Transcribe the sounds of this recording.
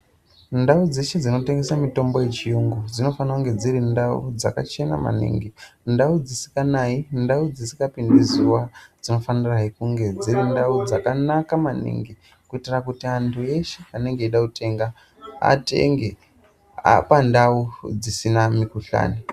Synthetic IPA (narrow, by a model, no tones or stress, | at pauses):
ndaud͡zeʃed͡zino̞te̞ŋɡe̞samito̞mbo̞je̞t͡ʃijuŋɡud͡zino̞fanakuŋɡe̞d͡zirindaṵd͡za̰ka̰t͡ʃe̞na̰ma̰nḭŋɡindaud͡zisi̥kanaindaud͡zisi̥kapindizuwad͡zino̞faniraikuŋɡe̞d͡ziɾindaud͡zakanakamanḭŋɡi | kuitirakutiantʰue̞ʃe̞ane̞ŋɡeiɗakute̞ŋɡa | a̰te̞̰ŋɡe | a̰pandaud͡zisinamikuɬa̰ːni